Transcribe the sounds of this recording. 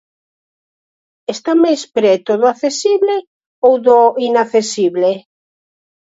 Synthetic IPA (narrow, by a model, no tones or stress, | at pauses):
est̪amajspɾɛt̪ʊðoaθesiβle | owðoinaθesiβle